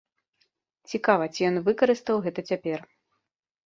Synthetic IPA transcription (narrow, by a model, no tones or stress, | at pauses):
t͡sʲikavɐt͡sʲijɔnvɨkɐɾɨst̪ɐwɣɛt̪ɐt͡sʲapʲɛr